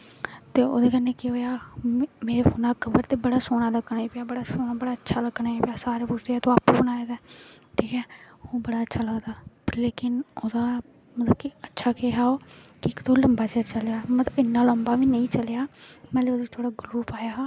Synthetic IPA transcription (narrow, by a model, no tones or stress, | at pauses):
t̪eːo̰ːd̪eːkənːeːkeɦoːjaːmeːɾeːfoːnaːkəbəɾt̪eːbəɽaːsoːɽ̃aːləɡnaːiːpɪaːbəɽaːsoːnaːbəɽaːətːʃʰaːləɡnaːiːpejaːsaːɾeːpʊt͡ʃʰd̪eaːt̪õːaːpːbənaːed̪ɛːʈʰiːkɛːhõːbəɽaːətːʃʰaːləɡd̪aːleːkɪnoːd̪aː | mət̪ləbkiətːʃʰaːkeːɦaːoːkɪkt̪õːləmbaːt͡ʃet͡ʃəljaːmət̪ləbɪnːaːləmbaːʋiːnəĩːt͡ʃəljaːmɛ̃ːleːoːd̪eːt̪ʰoːɽaːɡʊɾuːpaːjaː